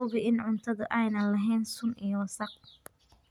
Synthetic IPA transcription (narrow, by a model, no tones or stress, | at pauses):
ʊβɪʔɪnʕʊnt̪ʰɐðʊʔɛjnɐlɐɦɛjnsʊnijɔwsɐq̚